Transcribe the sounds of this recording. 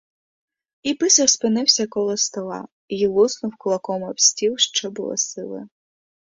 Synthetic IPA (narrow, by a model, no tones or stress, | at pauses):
ipɪsʲɐwspɪnɪwsʲɐkɔlˠɔst̪ɔlˠɑ̰ | ilˠusnɔwkʊlˠɐkɔmɐwsʲtʲiwʃt͡ʃɔbʊ̰lˠɔ̰sɪlˠɪ̰